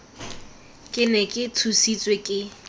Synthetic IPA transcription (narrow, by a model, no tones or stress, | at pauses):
kʼɪnɛkʼɪtʰusit͡sʼwekʼɪ